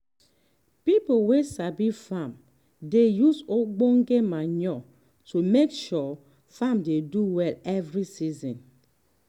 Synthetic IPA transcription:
pipowesabifãm | dejusoɡ͡boŋɡemaɲɔ | tumekʃɔ | famdeduwɛlɛvɹisizɔ̃n

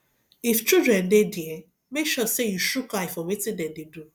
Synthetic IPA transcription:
ift͡ʃudɹɛ̃ndedjɛ | mekʃɔsejuʃukaifɔwetĩndɛ̃dedu

